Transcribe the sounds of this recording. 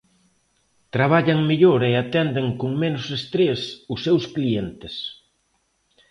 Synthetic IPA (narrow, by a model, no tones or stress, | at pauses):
t̪ɾaβ̞aʎɐŋmeʎoɾeat̪ɛnd̪ɪŋkʊŋmenʊsest̪ɾesʊsːewsklient̪ɪs